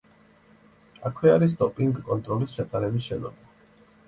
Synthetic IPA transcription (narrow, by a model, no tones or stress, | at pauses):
akʰwɛaɾis̬t̪ʼɔpʼiŋɡkʼɔnt̪ʼɾɔlist͡ʃʰat̪ʼaɾɛbisʃɛnɔ̰ba